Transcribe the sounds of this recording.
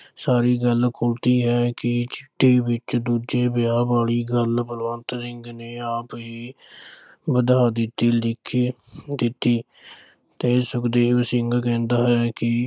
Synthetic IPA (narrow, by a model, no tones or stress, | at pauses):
saːɾiːɡəlkʰʊlt̪iːɦɛːkɪt͡ʃɪt̪ːeːbɪt͡ʃd̪uːd͡ʒeːbɪjaːbaːɽiːɡəlbəlʋãːnt̪sɪŋɡneːaːpɦiː | bəd̪aːd̪ɪt̪iːlɪkʰi | d̪ɪt̪ːiː | t̪eːsʊkd̪eːʋsɪŋɡkɛ̃ːnd̪aːɦɛːkɪ